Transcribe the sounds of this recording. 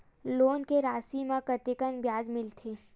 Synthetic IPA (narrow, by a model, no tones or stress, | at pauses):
loːnkeɾaːsimãkət̪ɪkənbjaːzmɪlt̪ʰeː